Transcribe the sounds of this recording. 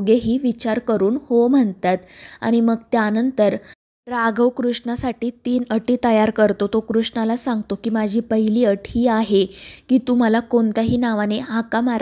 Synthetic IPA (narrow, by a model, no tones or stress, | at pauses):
ɡeɦiːʋit͡ɕaɾkəɾuːnhom̤əɳt̪at̪a̰ɽ̃iməɡt̪janənt̪əɾ | ɾaɡəwkɾuʂɳasaʈiːt̪iːnəʈiːt̪əjaɾkəɾt̪ot̪okɾuʂɳalasãŋɡt̪okiːmad͡ʑʱiːpəɦiliːəʈhiːaɦekiːt̪um̤alakoɳt̪aɦiːnaʋaneɦakamaɾ